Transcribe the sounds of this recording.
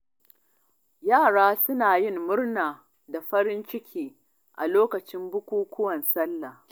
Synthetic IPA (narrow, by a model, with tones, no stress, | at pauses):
jaː˦˨ɽaː˦sʊ˦naː˨jɪ˦˨mːʊ˦rnaː˨ | da˨ɸɐ˦ɽɪ˦nt͡ʃɪ˦kʲʰiː˦ | ʔa̰˨loː˦kɐ˨t͡ʃɪ˦mbʊ˦kʷuː˦kʷʰʊ˦wɐ˨nsɐ˦lːa˨